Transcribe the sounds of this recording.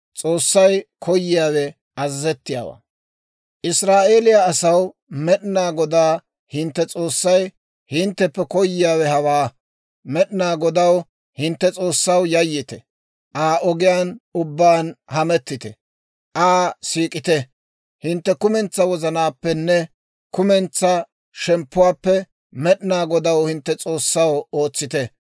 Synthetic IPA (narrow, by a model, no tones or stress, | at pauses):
t͡sʼo̞ːsːɐjkʰɔjːɪjaːwɛ | ɐzzɛt̪ːɪja̰ːwa̰ː | ʔɪsɾaːʔeːlɪjaːsɐw | mɛɗɪnaːɡɔd̪aː | hɪnt̪ːɛt͡sʼo̞ːsːɐj | hɪnt̪ːɛpːɛkɔjːɪjaːwɛhɐwaː | mɛɗɪnaːɡɔd̪ɐw | hɪnt̪ːɛt͡sʼoːsːɐwjɐjːɪt̪ɛ | ʔaːʔɔɡɪjaːnʊbːaːnhɐmɛt̪ːɪt̪ɛ | ʔaːsiːkʼɪt̪ɛ | hɪnt̪ːɛkʊmɛnt͡sːɐwɔzɐnaːpːɛnːɛ | kʊmɛnt͡sːɐ | ʃɛmpːʊwaːpːɛ | mɛɗɪnaːɡɔd̪ɐwhɪnt̪ːɛt͡sʼo̞ːsːɐwo̞ːt͡sːɪt̪ɛ